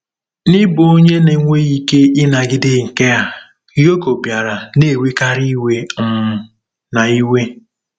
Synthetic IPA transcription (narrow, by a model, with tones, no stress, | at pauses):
nɪ˦bo˨o˦ɲe˦ne˨ŋʷe˦i˦ke˦ɪ˦na˨ɡɪ˦dɪ˦ŋ̩˨ke˦a˨ | jo˦ko˨bja˨ɾa˨ne˦˨wi˦ka˦ɾi˦we˦m̩˨˦ | na˨i˦we˦